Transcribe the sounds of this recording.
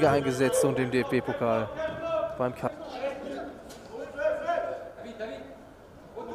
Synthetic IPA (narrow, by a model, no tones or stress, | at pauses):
ɡəʔaɪnɡəzɛt͡stʊntd̥eːmdeːɛfb̥eːpʰokʰaːlb̥aɪmkʰa